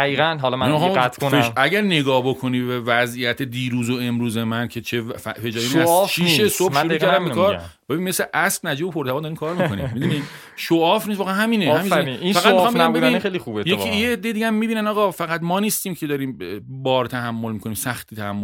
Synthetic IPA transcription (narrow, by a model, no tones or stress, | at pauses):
æiːɣænɦɒlɔmmixːmæt̪kʰoeʃæɟæɾne̞ɡɒːhbo̞kʰo̞niːbbevæzijæt̪ʰed̪iːɾuːzoe̞mɾuːze̞mæncʰe̞t͡ʃʰeffed͡ʒɒːɾinæfʃiʃesobʃoɾukʰæɾɾd̪æmbekʰɒːɾbebinmesleʔæsb̥næd͡ʒiːbopʰoɾt̪ʰævɒnd̪ɒɾiːmkʰɒːɾmionḭmid̪uni | ʃoɒːfniːsvɒːɣeæɦæmiːneæminsifæɣæt̪eɑmbeæmbeinːixejlixubetj̪eieːd̪ːejd̪iɟææmːiːbiːnænɒːɣɒfæɣæt̪mɒːniːst̪iːmcʰe̞d̪ɒːɾiːmbɒːɾt̪ʰæɦæmːolmiːkʰo̞niːmsæxt̪iːt̪ʰæhæmːo